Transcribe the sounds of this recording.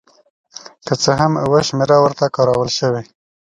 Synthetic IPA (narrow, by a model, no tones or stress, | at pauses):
kət͡səɦamwəʃmeɾawəɾt̪akɑɾawəlʃəwe